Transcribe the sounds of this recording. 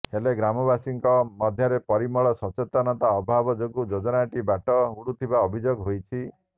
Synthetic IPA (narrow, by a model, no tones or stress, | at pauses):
heleɡɾamɔbasiŋkɔmɔd̪ʱjɔɾepɔɾimɔɭɔsɔt͡ʃet̪ɔnɔt̪aɔbʱabɔd͡ʒoɡud͡ʒod͡ʒɔnaʈibaʈɔuɽut̪ʰibaɔbʱid͡ʒoɡɦojt͡ʃʰi